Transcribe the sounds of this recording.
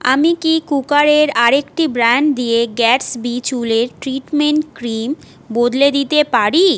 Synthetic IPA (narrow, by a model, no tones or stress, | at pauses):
a̰mikikukaɾeɾaɾekʈibɾaɳɖd̪ieɡɛʈsbit͡ɕuleɾʈɾiʈmeɳʈkɾim | bod̪led̪it̪epaɾi